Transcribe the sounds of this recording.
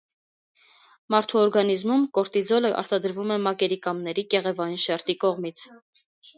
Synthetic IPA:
mɑɾt̪ʰuɔɾɡɑnizmumkɔɾt̪izɔləʔɑ̰ɾt̪ɑd̪əɾvumɛmɑkɛɾikɑmnɛɾikɛʁɛvɑjinʃɛɾt̪ikɔʁmit͡sʰ

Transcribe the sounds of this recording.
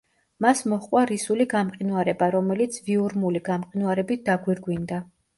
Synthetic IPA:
masmɔχqʼwaɾisuliɡamqʼinwaɾɛbaɾɔmɛlit̪sʰviuɾmuliɡamqʼinwaɾɛbit̪̚ʰd̪aɡwiɾɡwind̪a

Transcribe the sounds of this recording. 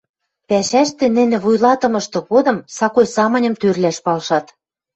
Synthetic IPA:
pæʃæʃt̪ĕnɘ̆nɘ̆βujlɑt̪ɤ̆mɤ̆ʃt̪ɤ̆ɣod̪ɤ̆msɑkojsɑmɤ̆nʲɤ̆mt̪ørlæʃpɑlʃɑt̪

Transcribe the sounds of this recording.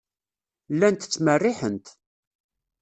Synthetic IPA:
lːænt̪t͡sːmərːiħənt̪

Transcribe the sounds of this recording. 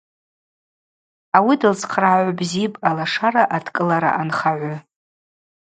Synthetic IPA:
awidɨlt͡sʰqʰraːʕʷbzipʼalaʂaɾaʔatʰkʼɨlaɾa̰ʔanχaʕʷʊ

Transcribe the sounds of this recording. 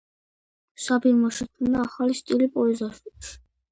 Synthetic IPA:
sabimaʃikʰunaːχalist̪ʼilipʼɔɛzaʃʼupʃ

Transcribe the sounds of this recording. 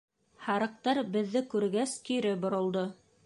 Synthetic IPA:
hɑɾɤ̆q̚t̪ɑɾbɘ̆ðːɘkʉɾɡæsk̪iɾɘbŏɾŏlˠd̪o

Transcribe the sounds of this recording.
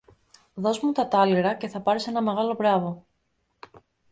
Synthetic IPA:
ðo̞zmut̪ɐt̪ɐliɾɐce̞θɐpɐɾese̞nɐme̞ɣɐlo̞vɾɐvo̞

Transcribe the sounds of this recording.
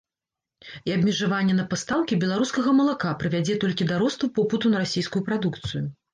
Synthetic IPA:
iɐbʲmʲɛʐavanʲːɛnɐpast̪awkʲibʲɛlˠaɾuskɐɣɐmɐlˠakapɾɨvʲad͡zʲɛt̪ɔlʲkʲid̪aɾɔst̪upɔpɨt̪unɐɾasʲejskujupɾad̪ukt̪sɨju

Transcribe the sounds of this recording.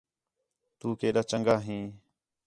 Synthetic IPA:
t̪uːkeːɗaːt͡ʃəŋɡaːɦĩː

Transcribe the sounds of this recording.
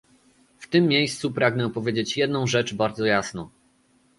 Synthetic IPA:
ft̪ɘmːjejst̪supɾaɡnɛpɔvʲjed͡ʑet͡ɕjɛd̪nɔ̃w̃ʐɛt͡ʂbaɾd̪zɔjasnɔ̃

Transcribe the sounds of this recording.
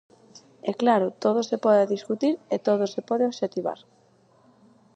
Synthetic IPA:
ɛklaɾʊt̪oð̞osepɔðaðiskut̪iɾet̪oð̞ʊsepɔðeoβʃet̪iβa̰ɾ

